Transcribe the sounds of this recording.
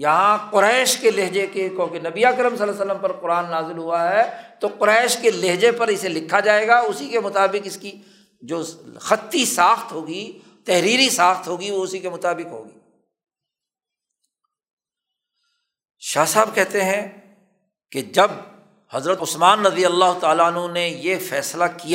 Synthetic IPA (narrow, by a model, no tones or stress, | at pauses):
jɐɦãqʊɾɛːʃkeleɦd͡ʒekekõkenɐbiaːkɾəmsɐlasəlːəmpɐɾqʊɾaːnːaːzɪlɦuaɦɛt̪oqʊɾɛːʃkeleɦd͡ʒepɐɾɪselɪkʰːad͡ʒaːeːɡaʊsikemʊt̪aːbɪqɪski | d͡ʒoːxɐt̪ːisaːxt̪ɦoːɡi | t̪ɛɦɾiːɾisaːxt̪ɦoːɡiʋoʊsikemʊt̪aːbɪqɦo̰ːɡiː | ʃaːsaːb̚kɛɦt̪eɦɛ̃ | ked͡ʒɐb̚ | hɐzɾət̪ʊsmaːnɾɐd̪ijəlːaːɦʊt̪aːlaənɦõnejefɛːslakij